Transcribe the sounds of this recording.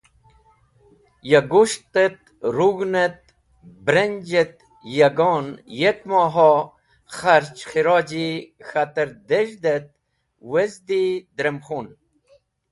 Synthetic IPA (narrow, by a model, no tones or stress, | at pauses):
jaɡuʃt̪et̪̚ | ɾuɣnet̪̚ | bɾenʲd͡ʑet̪ | jaɡoːnjekmɑːɦo | χaɾt͡ʃxiɾɑːd͡ʑixat̪əɾd̪eʒd̪et̪̚ | wezd̪id̪ɾemχun